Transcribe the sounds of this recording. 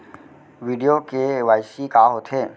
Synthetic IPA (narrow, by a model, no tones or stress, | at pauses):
ʋiːɖijokeʋaːɪʃikaɦot̪ʰeː